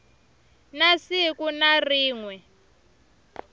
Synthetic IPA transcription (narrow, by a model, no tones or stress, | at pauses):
nasikunariːŋwɛ